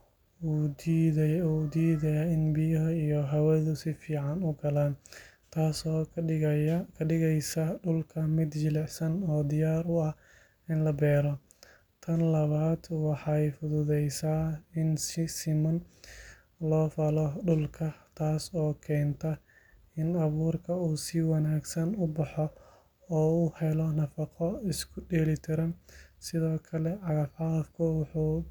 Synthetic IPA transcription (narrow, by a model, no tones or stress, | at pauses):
u | ud̪iːðɐjaɪnbɪjɐɦɐijɔɦɐwɛːðʊsɪfiːʕɑnʊɡɐlaːnt̪ʰaːs | kʰɐɪɣɛjsɐɖʊlkʰɐmɪd̪jɪlɛħsɐnɔːd̪ɪjaːɾʊɐh | ɪnlɐbɛːɾɔ | t̪ʰɐnlɐβaːd̪wɑħɑjfʊðʊðɛjsaːɪnsɪsɪmɔn | lɔːfɐlɔɖʊlkʰɐt̪ʰaːsɔːkʰɛːnt̪ʰɐ | ɪnɐβuːrkʰɐuːsɪwɑnaːɡsɐnʊbɑħɔ | ɔːʊhɛlɔnɐfɑqɔɪskʰʊɖɛːlɪt̪ʰɐɾɐnsɪðɔːkʰɐlɛʕɑɣɐfɑfkʰʊwʊħuː